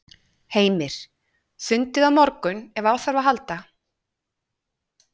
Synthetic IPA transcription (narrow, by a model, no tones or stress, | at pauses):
heːjmɪɾ̥ | θʏnt̪ɪðaðmɔɾkʏnɛvaːwθaɾvaɦalt̪a